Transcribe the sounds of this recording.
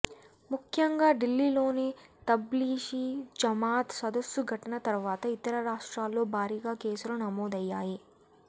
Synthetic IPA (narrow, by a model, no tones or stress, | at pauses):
mukʰjɐŋɡaːɖilːiːlo̞ːnit̪ɐbliːʃid͡ʒɐmaːt̪sɐd̪ɐsjuɡʱɐʈɐnɐt̪ɐɾuʋaːt̪ɐit̪ɐɾɐɾaːʂʈɾaːlːo̞ːbʱaːɾiːɡaːke̞ːsuɾɐnɐmoːd̪ɐjːaːji